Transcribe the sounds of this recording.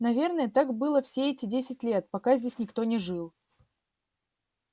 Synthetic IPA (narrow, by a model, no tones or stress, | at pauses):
nɐvʲe̞rnəjət̪akbɨlˠəfsʲeɛtʲɪdʲesʲɪtʲlʲet̪̚pɐkazʲdʲesʲnʲɪkt̪o̞nʲɪʐɨlˠ